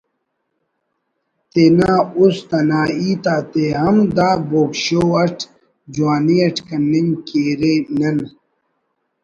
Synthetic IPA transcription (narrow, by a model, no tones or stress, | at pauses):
t̪enaːust̪ɐnaːiːt̪aːt̪eɦɐmd̪aːboːkɕoːɐʈʰ | d͡ʑuwaːniɐʈʰkɐnːiɲkeːɾenɐn